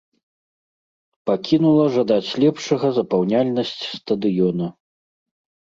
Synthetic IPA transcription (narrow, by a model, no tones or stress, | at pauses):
pakʲinulˠɐʐad̪at͡sʲlʲɛpʂɐɣɐzɐpawnʲalʲnɐsʲt͡sʲst̪ɐd̪ɨjɔnɐ